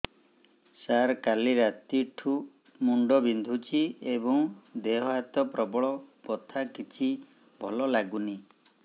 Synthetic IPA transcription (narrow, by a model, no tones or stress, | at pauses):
saɾkaliɾat̪iʈʰu | muɳɖɔbind̪ʱut͡ʃʰiebɔŋd̪eɦɔɦat̪ɔpɾɔbɔɭɔpɔt̪ʰakit͡ʃʰi | bʱɔlɔlaɡuni